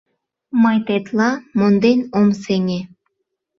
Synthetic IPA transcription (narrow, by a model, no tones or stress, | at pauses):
mɤjt̪et̪lɑmond̪enʲomseŋʲe